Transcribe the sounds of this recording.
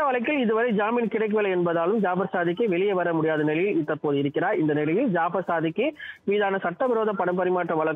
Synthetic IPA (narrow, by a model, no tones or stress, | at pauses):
ɐʋɐɭɐɪk̬ːɪlɪðɯʋɐɾɐɪd͡ʒaːmiːnkɪɽɐɪk̬ːɯʋeːlɐɛnbɐðaːlɯmd͡ʒaːbɐɾsaːðɪkːɯʋɛɭɪjɛʋɐɾɐmʊɽɪjaːðɐnɛlɪjɪlɪt̪ːɐpːoːðɯɪɾɯkːɪɾaːɾɪnd̪ɐnɛlɐʋɪld͡ʒaːbɐsaːðɪkːɯʋiːðaːnɐsɐʈːɐʋɪɾoːðɐpɐɽɐmpɐɾɪmaːʈːrɐʋɐɭɐkː